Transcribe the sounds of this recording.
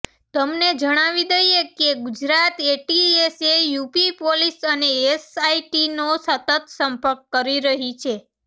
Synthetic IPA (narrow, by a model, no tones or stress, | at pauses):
t̪əmned͡ʒəɽ̃aʋid̪əjekeɡud͡ʒɾat̪eʈiesejupipolisəneesaiʈinosət̪ət̪səmpəɾkːəɾiɾəɦit͡ʃʰe